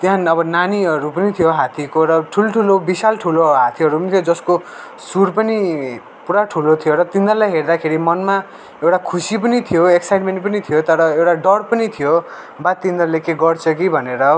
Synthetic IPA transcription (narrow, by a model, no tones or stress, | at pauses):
t̪janʌbʌnaniɦʌɾupʌnit̪ʰijoɦat̪ʰikoɾʌʈʰulʈʰulobisalʈʰuloɦat̪ʰiʌɾupʌnit̪ʰjod͡zʌsko | suɾpʌni | puɽaʈʰulot̪ʰijoɾʌt̪ind̪ʌrlajɦerd̪akʰeɾimʌnma | ewʈakʰusip̬ʌnit̪ʰijoeksajʈmeɳʈ̚pʌnit̪ʰijot̪ʌɾʌewʈaɖʌrpʌnit̪ʰijo | bat̪ind̪ʌrlekeɡʌrt͡sʰʌk̬ibʱʌneɾʌ